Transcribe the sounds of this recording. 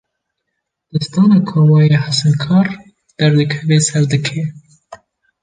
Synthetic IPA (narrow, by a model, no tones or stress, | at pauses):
d̪̥ɨst̪ɑːnɑkʰowɑjehasɛnkʰɑːɾ | d̪̥ɛɾd̪ɨkʰɛveːsɛɾd̪ɨkʰe